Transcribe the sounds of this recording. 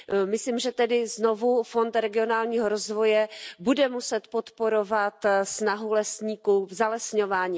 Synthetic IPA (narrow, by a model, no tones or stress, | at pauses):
mɪsliːmʒɛt̪ɛdɪzno̞vufo̞nt̪ɾɛɡɪo̞naːlɲiːɦo̞ɾozvo̞jɛbudɛmusɛt̪po̞t̪po̞ɾo̞vat̪snaɦulɛsɲiːkuvzalɛsɲo̞vaːɲiː